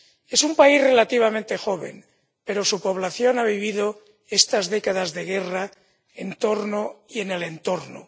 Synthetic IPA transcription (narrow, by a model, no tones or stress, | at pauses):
e̞sumpaizre̞lat̪iβ̞amẽnt̪e̞xo̞β̞e̞̰m | pe̞ɾo̞supo̞β̞laθjo̞naβ̞iβiðo | est̪azðekaðazðe̞ɣe̞ra | ent̪o̞ɾnoie̞ne̞le̞nt̪o̞ɾno̰